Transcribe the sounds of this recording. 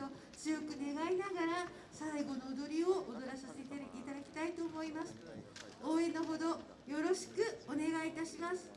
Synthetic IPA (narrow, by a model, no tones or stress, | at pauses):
o̞ | t͡sɨjo̞kɯ̟ne̞ɡainaɡaɾa | saiɡo̞no̞ːd̪o̞ɾʲio̞ʔːd̪o̞ɾasase̞t̪eɾit̪ad̪akʲi̥t̪ait̪o̞ːmo̞imasɨ̥ | oːẽ̞nːoɦo̞d̪o̞ | jo̞ɾo̞ɕi̥kɯ̟one̞ɡait̪aɕimasɨ̥